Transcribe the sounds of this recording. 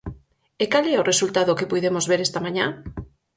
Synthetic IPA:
ekalɛʊresult̪aðʊkɪpojðemozβeɾɛst̪amãɲã

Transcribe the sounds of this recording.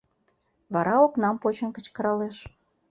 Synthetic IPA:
βɑɾɑoknɑmpot͡ɕə̆nkə̆t͡ɕkə̆ɾɑleʃ

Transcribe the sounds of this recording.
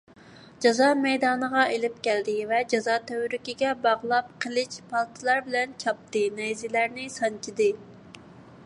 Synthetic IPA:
d͡ʒɑzɑːmɛjd̪ɑːnəʁɑʔelɪp̚kʲɛld̪ɪvɛd͡ʒɑzɑːt̪ʰøwɾykʲiɡʲɛbɑʁlˠɑp̚qʰəlˠɪt͡ʃpʰɑlˠt̪ʰɨlˠɑɾbɪlɛnt͡ʃʰɑp̚t̪ɨnɛjzɪlæɾnɪsɑnt͡ʃʰid̪ɨ

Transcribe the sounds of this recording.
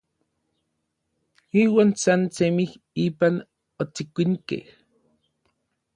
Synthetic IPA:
iːwaːnsansemih | iːpan | ot͡sikʷiŋkḛh

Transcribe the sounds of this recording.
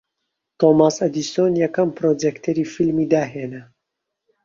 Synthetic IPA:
t̪omasɐd̪isoːnjɐkɐmpɾod͡ʒekt̪ʰeɾiːfilmiːd̪aːɦeːnɐ

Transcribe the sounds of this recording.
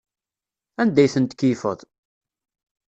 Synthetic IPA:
ænd̪æjθənt̪kifə̰ðˤ

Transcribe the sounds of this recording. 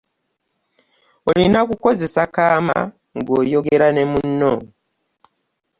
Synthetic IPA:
olinakukoze̞sakama̰ | ŋɡojoɡeɾanemunːo

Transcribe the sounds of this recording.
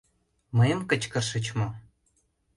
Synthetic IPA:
məjəmkət͡ɕkə̆rʃə̆t͡ɕmo

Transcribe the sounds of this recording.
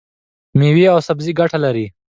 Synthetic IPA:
miwiawsabziɡaʈalaɾi

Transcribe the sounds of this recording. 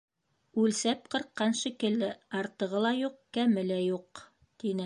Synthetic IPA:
ʉlsæp̚qɤ̆ɾqːɑnʃikɘ̆ld̪ɘɑɾt̪ɤ̆ʁɤlˠɑjuqkæmɘlæjuq | t̪inɘ

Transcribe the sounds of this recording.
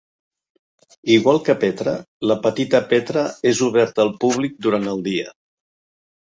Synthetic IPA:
iɣwalˠkəpɛt̪ɾə | ləpət̪it̪əpet̪ɾəezuβ̞ɛɾt̪əlˠpuβlik̚d̪uɾant̪əlˠd̪iə

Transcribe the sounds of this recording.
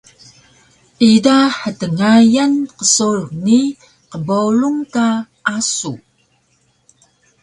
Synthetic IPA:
idaħətəŋajanqəsurni | qəboluŋka | ʔasu

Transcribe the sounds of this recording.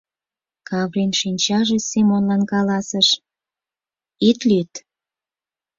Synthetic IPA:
kɑvrinʃinʲt͡ɕɑʒesemonlɑnkɑlɑsəʃ | it̪lyt̪

